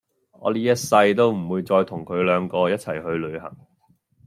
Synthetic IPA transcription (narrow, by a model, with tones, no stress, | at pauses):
ɔ̰ː˨˧liː˥jɐ˥t̚sɐ˧jt̪o˥wm̩˨˩wuː˧jt͡sɔː˧jt̪ʰʊ˨˩ŋkʰɵ˨˧ɥlœː˨˧ŋkɔː˧jɐ˥t̚t͡sʰɐ˨˩jɦɵ˧ɥlɵ˨˧ɥɦɐ̰˨˩ŋ